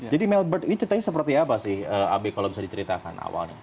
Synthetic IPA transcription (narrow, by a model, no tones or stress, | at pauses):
d͡ʒadimɛlbərt̪init͡ʃəɾit̪aɲasəp̬ərt̪iapasɪhəːa̰bekalawbisardit͡ʃəɾit̪aka̰na̰wa̰lɲa̰